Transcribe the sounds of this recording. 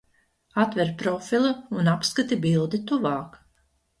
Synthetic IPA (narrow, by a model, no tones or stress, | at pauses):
at̪vɛɾpɾɔfilˠaunapskat̪ibilˠd̪it̪uvɑːk